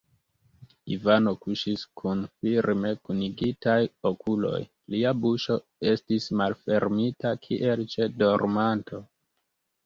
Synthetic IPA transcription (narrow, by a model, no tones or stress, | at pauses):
ḭvano̞kuʃiskʰunfiɾme̞kuniɡitajokʰulo̞̰j | liabuʃo̞ | e̞stismalfe̞ɾmitakʰiʔe̞lt͡ʃe̞do̞ɾmantʰo̞